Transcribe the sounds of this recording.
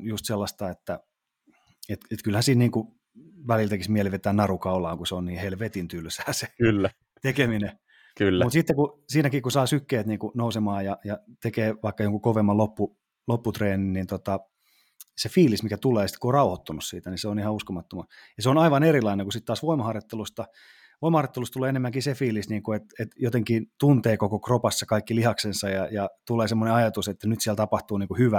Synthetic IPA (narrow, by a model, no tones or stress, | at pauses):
just̪selːɑst̪ɑet̪ːæ | et̪et̪kylhænsiːnniːŋku | ʋælilt̪ekismiɛliʋet̪ːæːnnɑrukɑulɑːŋkuseonniːhelʋet̪int̪ylsæːse̥kylːæ | t̪ekemine | kylːmut̪sit̪ːekusiːnækiːkusɑːsykːeːt̪niːŋkunousemɑːjɑjɑt̪ekeːʋɑikːɑjoŋkukoʋemːɑlopːu | lopːut̪reːninnint̪ot̪ɑ | sefiːlismikæt̪uleːɑsi̥t̪kuorɑuhot̪ːunussḭːt̪æniseonihɑuskomɑt̪ːomɑjɑseonɑiʋɑneɾilɑineŋkusit̪t̪ːɑːsʋoimɑhɑrjot̪ːelust̪ɑ | ʋoimɑhɑrjot̪ːelust̪uleːenemːæŋkisefiːlisniːŋkuet̪et̪jot̪eŋkint̪unt̪eːkokokropɑsːɑkɑikːilihɑksensɑjɑjɑt̪ulˑeːsemːoneɑjɑt̪uset̪ːænyt̪siælt̪ɑpɑht̪uːniːŋkuhyʋæ